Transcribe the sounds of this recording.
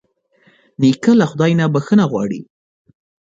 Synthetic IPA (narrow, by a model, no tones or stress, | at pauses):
nikalaxʊd̪ɑjnabaxənaɣwɑ̰ɽḭ